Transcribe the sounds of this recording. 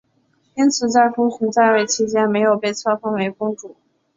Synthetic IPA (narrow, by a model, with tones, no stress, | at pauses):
i˥nt͡sʰɹ̩˨˩t͡sa˥˩ɪfu˥ɕʰu˧˥ŋt͡sa˥˧ɪwe˥˩ɪt͡ɕʰi˥t͡ɕjɛ˥nme˧˥ɪjo˨˩ʊpe˥˩ɪt͡sʰɑ˥fɑ˥ŋwe˧˥ɪkʊ˥ŋʈ͡ʂu˨˩˦